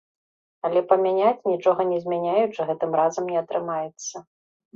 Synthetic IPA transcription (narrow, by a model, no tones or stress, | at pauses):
ɐlʲɛpɐmʲanʲat͡sʲnʲit͡ʂɔɣɐnʲɛzʲmʲanʲajut͡ʂɨɣɛt̪ɨmɾazɐmnʲɛɐt̪ɾɨmajɛt̪sːɐ